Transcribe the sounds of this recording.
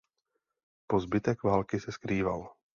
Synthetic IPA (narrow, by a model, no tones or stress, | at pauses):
po̞zbɪt̪ɛkvaːlkɪsɛskɾiːval